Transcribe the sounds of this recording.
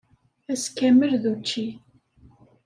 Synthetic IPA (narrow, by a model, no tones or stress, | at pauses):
æskæməlðut͡ʃːi